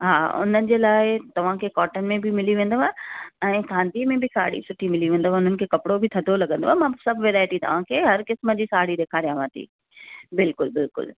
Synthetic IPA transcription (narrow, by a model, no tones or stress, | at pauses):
ɦaːʊ̰n̤ənɪ̆d͡ʑeːlaːɪt̪ɐʋ̤ãkʰeːkɔːʈən̆mẽbʱɪmɪliʋẽːnd̪oaɛ̃ːkʰãːnd̪ʱimẽbʱɪsaːɽḭsʊʈʰimɪliʋẽːn̆d̪oʋaʊn̤ənɪ̆kʰeːkɐpɪɽobʱɪt̪ʰɐd̪ʱolɐɡə̃nd̪oamãsɐbʱʋeːɾaːɪʈit̪ɐ̰ʋ̤ãːkʰeːɦɐɾkɪsməd͡ʑiːsaːɽid̪eːkʰaːɾijãʋãːt̪ʰḭː | bɪlkʊlbɪlkʊ̰l